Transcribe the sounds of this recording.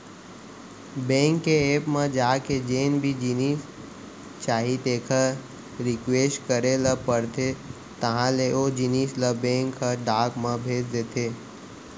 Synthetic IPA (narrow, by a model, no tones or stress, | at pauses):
bẽːŋkːeeːpmə̃d͡ʒaːked͡ʒeːnbʱid͡ʒiniːs | t͡ʃaːɦit̪eːkʰə | ɾɪkweːsʈkəɾeləpəɾt̪ʰe | t̪əɦãleoːd͡ʒinisləbẽːŋkʰːəɖaːkmə̃bʱeːd͡ʒd̪eːt̪ʰeː